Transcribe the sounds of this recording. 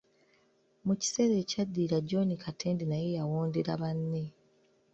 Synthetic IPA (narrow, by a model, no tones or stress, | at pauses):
muci̥se̞ɾeːcadːiːɾaɟo̞nikʰatʰeːndinaje̞jawoːndeɾaβanːe̞